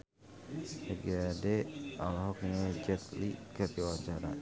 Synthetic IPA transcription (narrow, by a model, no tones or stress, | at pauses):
səɡadɛalɦɔk̚ɲɛd͡ʒɛt̪likəd̪iwaɲt͡ʃaɾa̰